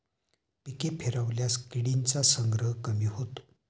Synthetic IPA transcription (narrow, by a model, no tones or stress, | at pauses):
pikepʰeɾəʋljaskiɽint͡sasəŋɡɾəɦkəmiːhot̪o̥